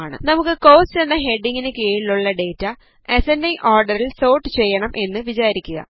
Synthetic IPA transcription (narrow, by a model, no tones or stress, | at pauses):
ɳɨ̰nɐmukːɨko̞ːsenːɐɦe̞ɖiŋɡinɨkeːɻilːuɭːɐɖe̞ːtːɐ | e̞sendɐjʔoːrɖɐɾilso̞ːʈːɨt͡ɕe̞jːɐɳɐmʔe̞nːɨʋit͡ɕaːɾikʲːuɣɐ̰